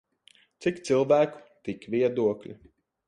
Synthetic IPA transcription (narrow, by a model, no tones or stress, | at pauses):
t̪sikt̪silˠvæːku̥t̪ikvʲiɛd̪uɔklʲḭ